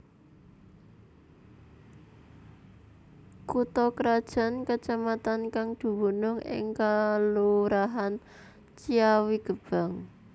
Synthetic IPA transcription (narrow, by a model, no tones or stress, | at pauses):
kut̪ɔkɾad̥ʒ̥a̤nkət͡ʃamat̪ankaŋd̪̥ṳbunʊŋʔɪ̰ŋkaluɾaɦan | t͡ʃiawiɡ̥ə̤b̥a̤ŋ